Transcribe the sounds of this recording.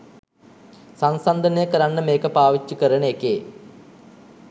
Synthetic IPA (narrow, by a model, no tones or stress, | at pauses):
sansand̪ɐnejəkɐɾaɳːəmeːkəpaːʋit͡ɕːukəɾɐnekeː